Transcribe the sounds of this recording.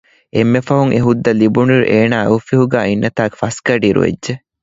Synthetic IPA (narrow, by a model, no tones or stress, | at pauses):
emːefɐɦuŋʔeɦud̪ːɐlibuniɾṵʔeːnaːufiɦuɡæːinːɐt̪aːke̥fɐskɐɖiɾṵʋḛd͡ʒʒe